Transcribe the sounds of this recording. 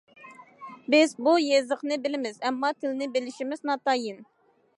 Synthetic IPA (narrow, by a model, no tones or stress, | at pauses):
bɪzbujezəχnɨbɪlɪmɪzɛmːɑt̪ʰɪlɪnɪbɪlɪʃimɪznɑt̪ɑjin